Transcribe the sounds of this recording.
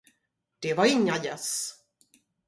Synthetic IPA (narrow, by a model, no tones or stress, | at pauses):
d̪̥ɛvaɾɪŋːajɛs